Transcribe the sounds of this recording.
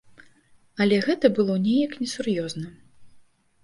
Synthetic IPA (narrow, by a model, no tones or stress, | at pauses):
ɐlʲɛɣɛt̪ɐbɨlˠɔnʲɛjɐknʲɛsurjɔznɐ